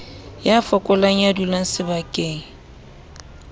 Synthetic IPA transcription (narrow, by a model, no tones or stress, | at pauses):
jafɔkʼʊlaŋ̩jadulaŋ̩sɪbakʼeːŋ̩